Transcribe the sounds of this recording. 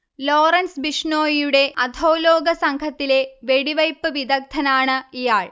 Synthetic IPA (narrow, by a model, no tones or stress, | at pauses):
loːrɐnsbiʂɳoːjijuɽe̞ʔɐd̪ʱo̞ːloːɡɐsɐŋɡʰʱɐt̪ːile̞ʋe̞ɽiʋɐjpːɨʋid̪ɐk̚t̪ʰːɐnaːɳɨijaːɭ